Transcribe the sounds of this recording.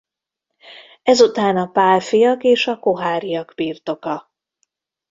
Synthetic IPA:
ɛzut̪aːnɒpaːlfijɒkeːʃɒkoɦaːɾijɒɡ̥biːrt̪o̞kɒ

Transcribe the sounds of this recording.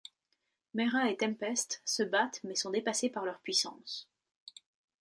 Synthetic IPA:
mɛʁaet̪ɛ̃mpɛst̪səbat̪mɛsɔ̃d̪epasepaʁlœʁpɥisɑ̰̃s

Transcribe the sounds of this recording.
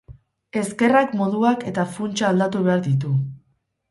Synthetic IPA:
e̞ske̞rakmo̞ðuake̞t̪afunt͡ʃaːld̪at̪uβ̞e̞aɾðit̪̬u

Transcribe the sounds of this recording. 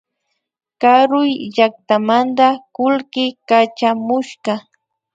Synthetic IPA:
kaɾʊjʎak̚t̪amand̪akʊlkɪkat͡ʃamʊʃɢɑ

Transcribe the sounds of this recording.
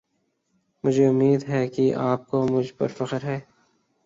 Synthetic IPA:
mʊd͡ʒʱeʊmːiːd̪ɦɛkiʔaːp̚komʊd͡ʒʱpɐ̰ɾfɐqəɾɦɛː

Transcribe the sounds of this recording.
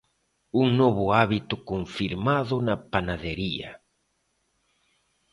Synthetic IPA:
uŋnoβʊaβit̪ʊkoɱfiɾmaðʊnɐpanaðeɾiɐ̰

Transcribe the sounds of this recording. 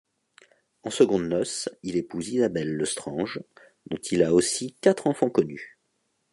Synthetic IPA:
ɑ̃səɡɔ̃d̪nɔsilepuzizabɛlːəst̪χɑ̃ʒ | d̪ɔ̃t̪ʰilaosikat̪χɑ̃fɑ̃kɔny

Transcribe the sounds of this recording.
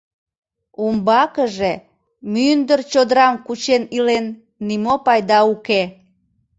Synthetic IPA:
umbɑkəʒe | mynd̪ərt͡ɕod̪əɾɑmkut͡ɕenilenː | imopɑjd̪ɑuke

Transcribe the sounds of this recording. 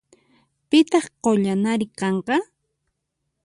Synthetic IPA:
pɪt̪ɑχqoʎanaɾɪkɑɴqɑ

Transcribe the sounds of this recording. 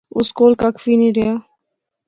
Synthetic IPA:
ʊskoːlkakʰəfiːnĩːɾɪjaː

